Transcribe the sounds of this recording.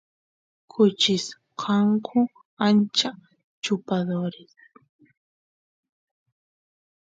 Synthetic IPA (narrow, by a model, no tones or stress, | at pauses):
kʰʊt͡ʃɪs | qʰɑŋkʰʊ | ant͡ʃa | t͡ʃʊpaðoɾɪs